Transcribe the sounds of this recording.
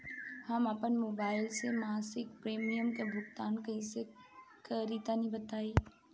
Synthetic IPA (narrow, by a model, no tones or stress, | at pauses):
hɐmapənmoːbaːɪlsemaːsɪkpɾeːmijəmkebʱʊkt̪aːnkɐɦĩse | kəɾit̪anɐɦĩbət̪aːiː